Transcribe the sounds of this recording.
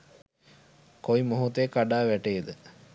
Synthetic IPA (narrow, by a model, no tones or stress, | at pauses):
koimoɦut̪əekaɖaːʋæʈeːd̪ə